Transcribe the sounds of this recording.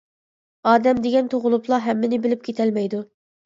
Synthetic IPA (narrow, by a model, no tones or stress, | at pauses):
ɑːd̪ɛmd̪eɡʲɛnt̪ʰoʁʊlˠʊplˠɑɦɛmːɪnɪbɪlɪp̚kʲʰet̪ʰɛlmɛjd̪u